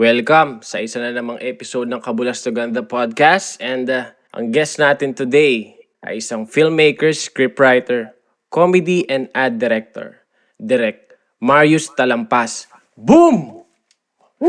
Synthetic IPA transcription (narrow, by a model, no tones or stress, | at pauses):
wɛlkɐmsɐʔɪsanɐnɐmɐŋʔɛpɪsod̪̚nɐŋkɐbʊlɐst̪oɡɐnd̪ɐpad̪̚kast̪ɛ̃nd̪ | ʔɐ̰ŋɡɛst̪naːt̪ɪnt̪ʊd̪ej | ʔɐ̰jɪsaŋfilmːejkɛɹskɹipɹajt̪ɛɹ | komɛd̪iʔɛ̃nd̪ʔad̪̚ːɛɾɛk̚t̪o̰ɹ | d̪ɛɾɛk̚ | maɹjʊst̪ɐlɐmpas | bum